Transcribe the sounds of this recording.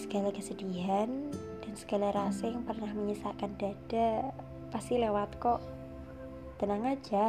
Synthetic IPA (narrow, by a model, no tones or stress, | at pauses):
sə̥ɡ̥alakəsəd̥iɦan | d̥a̤nsə̥ɡ̥alaɾasɪŋpərnahməɲəsaʔkand̥a̤d̥a̤ | past̪ilewat̪kɔʔ | d̪̥ə̤naŋḁd͡ʒ̥a